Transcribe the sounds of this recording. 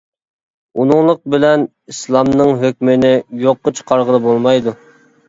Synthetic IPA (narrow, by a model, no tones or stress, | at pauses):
unɨŋlˠʊq̚bɪlɛn | islˠɑmnɨŋɦøk̚ʲmɪnɪjoqːət͡ʃʰqʰɑɾʁəlˠɨbolˠmɑjd̪u